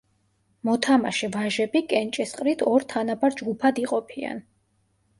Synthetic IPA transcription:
mɔt̪ʰama̰ʃɛvaʒɛbikʼɛnt͡ʃʼɛsqʼɾit̪ʰɔɾt̪ʰanabaɾd͡ʒɡupʰad̪iqʼɔpʰia̰n

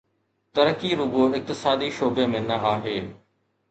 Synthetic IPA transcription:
t̪ɐɾəkiɾʊɡoɪk̚t̪ɪsaːd̪iʃoːbemẽnɐaːɦeː

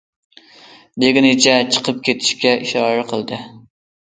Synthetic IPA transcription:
d̪eɡʲɪnɪt͡ʃʰɛt͡ʃʰə̥qʰəp̚kʲʰet̪ʰɪ̥ʃkʲɛʔiʃɑːɾɛqʰəlˠd̪ɨ

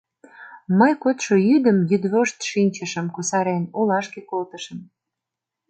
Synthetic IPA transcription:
məjkot̪ʃoyd̪əmjyd̪βoʃt̪ʃinʲt͡ɕəʃə̆mkusɑɾenolɑʃkekolt̪əʃəm

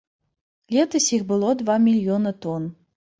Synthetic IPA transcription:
lʲet̪ɨsʲixbɨlˠod̪vɑmʲilʲjonət̪on

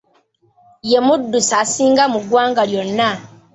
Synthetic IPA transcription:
jemudːusasiːŋɡamuɡwaːŋɡaljonːa

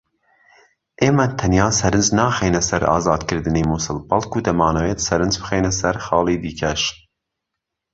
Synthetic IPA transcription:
ʔeːmɛt̪ʰɐnjɑːsɐɾɨnd͡ʒnɑːxeːnɛsɛɾɑ̰ːzɑːd̪kɨɾd̪ɨneːmusɨlbɐlˠkʰuːd̪ɐmɑːnɐweːt̪sɐɾɨnzbɨ̥xeːnɛsɛɾxɑːliːd̪iːkʰɛʃ

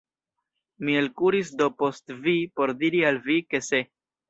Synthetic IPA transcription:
mie̞lkuɾisdopo̞stvipo̞ɾdiɾialvike̞se̞

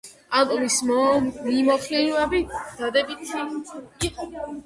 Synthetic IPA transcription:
ak̪ʼlismimɔχiɾvabid̪̥ad̪ɛbit̪ʰiiq

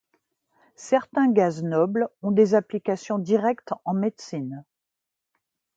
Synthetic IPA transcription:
sɛʁt̪ɛ̃ɡaznɔblɔ̃d̪ezaplikasjɔ̃d̪iʁɛkt̪ɑ̃med̪sin

